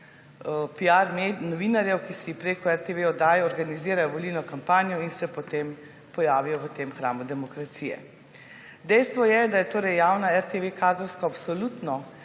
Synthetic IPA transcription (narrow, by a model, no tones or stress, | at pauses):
piaɾmenɔʋinaɾjɛwkisipɾeːkɔɛɾt̪eʋeɔd̪aːjɔɔɾɡaniziːɾajɔʋɔlilnɔkampaːnjɔinsɛpɔt̪eːm | pɔjaːʋijɔʋət̪eːmxɾaːmud̪ɛmɔkɾat̪siːjɛ̰ | d̪ɛjst̪ʋɔjɛd̪ajɛt̪oːɾɛjːaːwnaɛɾt̪eʋekaːd̪ɾɔwskɔapsɔlut̪nɔ